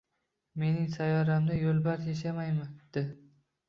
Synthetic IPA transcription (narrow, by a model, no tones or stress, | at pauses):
me̞nɪŋsajɒɾamd̪ajolˠbaɾjeʃ̬amajmɪd̪̥ɪ